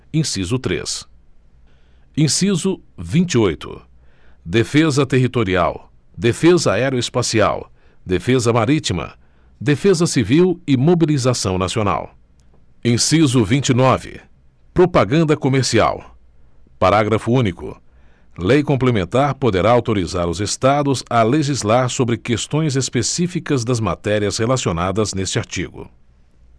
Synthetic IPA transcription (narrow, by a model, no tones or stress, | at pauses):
ẽsizʊt̪ɾḛs | ĩsizʊvĩnt͡ʃiojt̪ʊ̰ | d̪efezɐt̪eɦit̪oɾia̰w | d̪efezɐaɛɾjʊespasia̰w | d̪efezɐmaɾit͡ʃimɐ̰ | d̪efezɐsiviwɪmobilizasɐ̃w̃nasiona̰w | ẽsizʊvĩnt͡ʃinɔvɪ̰ | pɾopaɡɐ̃nd̪ɐkomeɾsia̰w | paɾaɡɾɐfʊũnikʊ̰ | lejkõmplemẽnt̪aɾpod̪eɾaawt̪oɾizaɾʊzest̪ad̪ʊzɐleʒizlaɾsobɾɪkest̪õj̃zespesifikɐzd̪ɐzmat̪ɛɾiɐzhelasionad̪ɐznest͡ʃɪaɾt͡ʃḭɡʊ̰